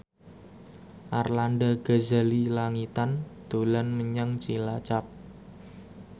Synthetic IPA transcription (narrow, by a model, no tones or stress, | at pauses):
ʔarlandaɡ̥azalilaŋit̪and̪̥olanməɲaŋt͡ʃilat͡ʃap̚